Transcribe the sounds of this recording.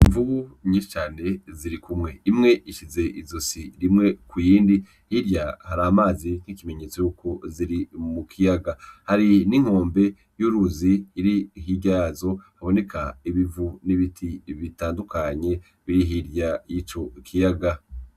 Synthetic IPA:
iɱvuβuɲiːʃi̥t͡ʃaːne̞ziɾikumŋe̞imŋe̞ʔiʃize̞ʔizosiɾimŋe̞kujiːndi | hiɾjahaɾamaːzin̥hikime̞ɲet͡sojukʰoziɾimukʰijaɡahaɾiniŋ̥ho̞ːmbe̞ | juɾuziiɾiɦiɟazo̞haβo̞ne̞kʰaiβivuniβitʰiβitaːndukaɲe̞ | βiɾiɦiɾjajit͡ʃo̞kʰijaɡa

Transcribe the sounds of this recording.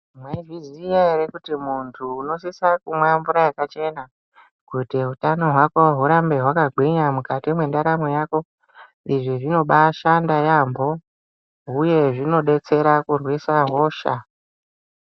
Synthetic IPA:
mwaivizijaiɾekutimuntʰuːno̞sisakumwambuɾajakat͡ʃe̞na | kutiɦutano̞ɦwako̞ɦuɾambe̞ɦwakaɡʱwiɲamukatimwe̞ndaɾamojako̞ | iʐiʐino̞ɓaʃandajambo̞ | ɦuje̞ʐino̞ɗe̞t͡se̞ɾakurwisaɦo̞ːʃa̰

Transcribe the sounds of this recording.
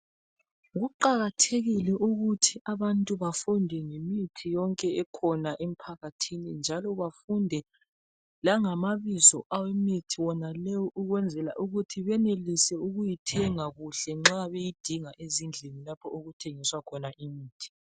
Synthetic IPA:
ɣuǃaɣatʰeɣilɛʔuɣutʰiʔaβantʼuβafundʱɛŋemitʰijɔŋkʼɛɛkʰɔnaʔem̩pʰaɣatʰinind͡ʒʱalɔβafundʱɛ | laŋamaβizɔʔawemitʰiwɔnalɛjɔʔuɣwɛnd͡zʱɛla̰ʔuɣutʰiβɛnelisɛuɣujitʰɛŋaɣuɬɛŋ͡ǁaβejid̥ʱiŋaʔezind͡ɮʱenilapʰɔoɣutʰeŋiswakʰɔnaʔimiːtʰi̥

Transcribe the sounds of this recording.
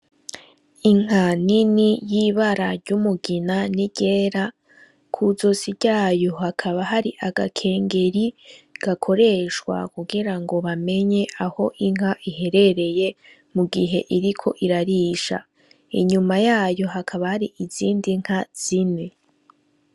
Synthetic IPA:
iŋ̥ɦaninijiβaɾaɾɟumuɡinaniɟ̥eːɾa | kʰuzo̞siɟaːjohakʰaβaɦaɾiʔaɡakʰe̞ːŋɡe̞ɾiɡ̥akʰo̞ɾe̞ʃkwa̰kuɡiɾaŋɡo̞βame̞ɲe̞ʔaho̞ʔiŋ̥haʔihe̞ɾe̞ɾe̞je̞ | muɡiɦe̞ʔiɾikʰo̞ʔiɾaɾiːʃa̰ | ḭɲumajaːjo̞ɦakʰaβahaɾiʔiziːndiŋ̥haz̥ine

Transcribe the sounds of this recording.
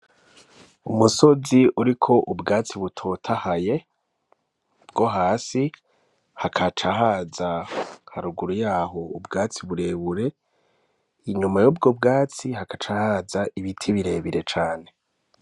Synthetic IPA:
umuso̞ziuɾikʰo̞ʔubɡaːt͡siβutʰo̞tʰahaje̞ | bɡo̞ɦaːsi | hakʰat͡ʃaɦaːzahaɾuɡuɾujaːɦo̞ubɡaːt͡siβuɾe̞βuɾe̞ | iɲumajobɡobɡaːt͡sihakat͡ʃahazaʔiβitʰiβiɾe̞ːβiɾe̞t͡ʃaːne̞

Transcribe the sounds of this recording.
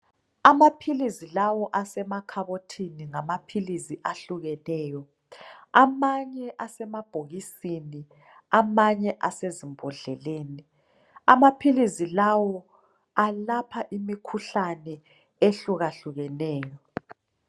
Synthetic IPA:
amapʰilizilawɔʔasɛmakʰaβotʰiniŋamapʰilisiʔaɬuɣɛnɛːjɔ | amaɲɛʔasɛmab̥ʱoɣisini | amaɲɛʔasezimbʱɔɮɛleːni | amapʰilizilawɔ | alapʰaʔimikʰuɬanɛ | eɬuɣaɬuɣɛnɛːjɔ

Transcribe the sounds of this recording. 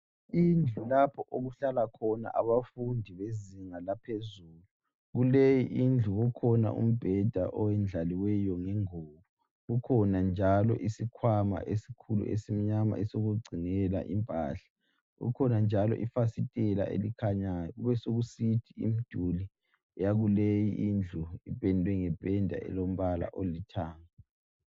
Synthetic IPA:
ind͡ɮʱulapʰɔʔoɣuɬalakʰɔna̰ʔa̰βafundʱiβeziŋalapʰezuːlu | ɣulejiʔind͡ɮʱuɣukʰɔna̰ʔṵm̩b̥ʱɛd̥ʱa̰ʔɔwɛnd͡ɮʱaliwɛjɔŋɛŋoːβu | ɣukʰɔnand͡ʒʱalɔ̰ʔisikʰwama̰ʔesi̥kʰulṵʔḛsim̩ɲama̰ɛsoɣuɡ͡ǀʱinɛla̰ʔimpʼa̰ɬḁ | ɣṵkʰɔnand͡ʒʱalɔ̰ʔifasitʼɛla̰ʔḛlikʰaɲajɔuβɛsoɣusitʰiḭm̩d̥ʱuli | ɛjaɣulejiʔind͡ɮʱuipʼɛndʱwɛŋɛb̥ʱʼɛndʱa̰ʔɛ̰lom̩βala̰ʔolitʰaːŋa

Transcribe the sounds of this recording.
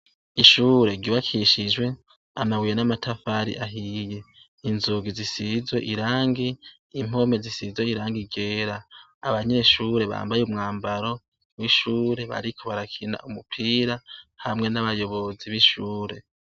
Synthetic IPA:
iʃuːɾe̞ɡiβakʰiʃid͡ʒwe̞ | amawijenamatʰafaɾḭʔaɦije̞ | inzuɡizisizwe̞̰ʔiɾaːŋɡiː | m̥o̞me̞zisizweiɾaːŋɡiɡe̞ːɾaː | βaɲe̞ʃuːɾe̞βa̰ːmbajeumŋaːmbaɾo̞ | wiʃuːɾe̞βa̰ɾikʰo̞βaɾakʰina̰ʔumupʰiːɾahamŋe̞naβajo̞βo̞ziβiʃuːɾe̞̰

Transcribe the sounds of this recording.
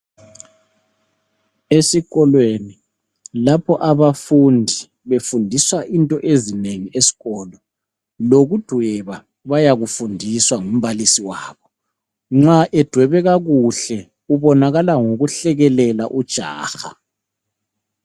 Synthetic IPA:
esiɣɔlweni | lapʰɔʔaβafundʱi | βefundʱiswaʔintʼɔʔezineŋiʔesi̥ɣɔːlɔ | loɣud̥ʱwɛβa | βajaɣufundʱiswaŋum̩βalisiwaːβɔ | ŋ͡ǁaʔɛd̥ʱwɛβɛɣaɣuɬɛ | uβɔnaɣalaŋoɣuɬɛɣɛlɛla̰ʔud̥ʒ̥ʱa̰ːxa̰

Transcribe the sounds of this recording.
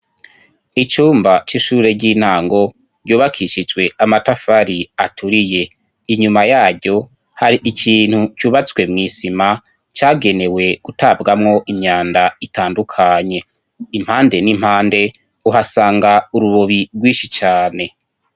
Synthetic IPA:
it͡ʃuːmbat͡ʃiʃuːɾe̞ɟiːn̥aːŋɡo̞ | ɾɟuːβakʰiʃid͡ʒwe̞amatafaɾiatʰuɾije̞ | iɲumajaːɾɟo̞ | haɾiʔicʰiːn̥hut͡ʃuːβat͡swe̞mŋiːsima | t͡ʃaːɡe̞ne̞we̞ɡ̥utabɡamŋo̞ʔimɲaːndaitaːndukʰaɲe̞ | im̥haːnde̞nim̥haːnde̞ | uɦasaːŋɡauɾuβo̞βiɡwiːʃit͡ʃaːne̞

